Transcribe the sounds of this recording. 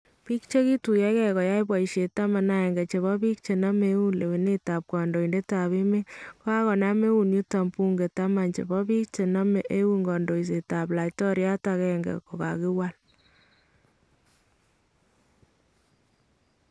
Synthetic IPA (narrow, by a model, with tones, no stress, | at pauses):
pi˦kt͡ʃe˦ki˦tu˨jɛ˦kɛ˦kɔ˨ja˦jp̬wa˨i˨ʃe˨ta˦ma˨na˨ɛ˨ŋɡɛ˨t͡ʃe˨βɔ˦pi˦k̚t͡ʃe˨na˦me˦wu˦le˨we˨ne˦ta˨p̚kɔ˨ndo˨i˨nde˦ta˨βe˦me˦ko˦a˦kɔ˨na˦me˦wu˨nju˦ta˨mpu˦ŋɡe˨ta˦ma˨nt͡ʃe˨bɔ˦pi˦k̚t͡ʃe˨na˦me˨ʔe˦wu˦ŋɡɔ˨ndo˨is̬e˨ta˨pla˨jtɔ˦ɾja˦ta˧kɛ˦˨ŋɡɛ̰˨ko˨ka̰˨kɪ˦wa˦l